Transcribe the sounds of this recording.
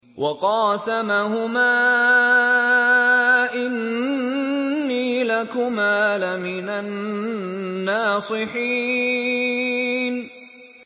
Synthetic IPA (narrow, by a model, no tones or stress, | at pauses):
wʔɑqɑːsamaɦʊmaː | ʔɪn | iːlakʊmaːlamɪnanː | ɑːsˤɨħiː | n